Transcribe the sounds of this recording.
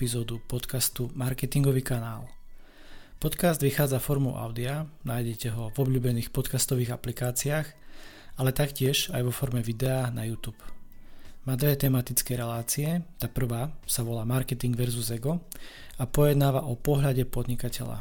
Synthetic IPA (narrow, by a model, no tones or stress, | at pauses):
izɔːd̪upɔt̪kast̪umaɾkɛt̪iŋɡɔʋiːkanaːl | pɔt̪kazd̪ʋixaːd͡zafɔɾmṵʔa̰ʊd̪ianaːjɟɛcɛɦɔvɔbʎuːbɛniːxpɔt̪kast̪ɔʋiːɣaplikaːt͡siaːx | alɛt̪akcɪɛʒajʋɔfɔɾmɛʋid̪ɛanajuːt̪uːp | maːd̪ʋɛt̪ɛmat̪it͡skɛɾɛlaːt͡siɛt̪apr̩ʋaːsaʋɔlaːmaɾkɛt̪iŋɡʋɛɾzuzɛɡɔ | apɔjɛd̪naːʋaʔɔpɔɦʎaɟɛpɔd̪ɲikacɛʎa̰